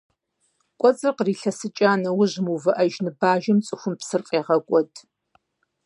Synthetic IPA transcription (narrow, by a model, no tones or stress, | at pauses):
kʷʼɔt͡sʼɨrqriːɬɐsɨt͡ʃʼaːnɐwʊʑmuvɨʔɐʒnɨbaːʒɐmt͡sʼɨxʷʊmpsɨrqʼeːʁɐkʷʼɔtʰʼ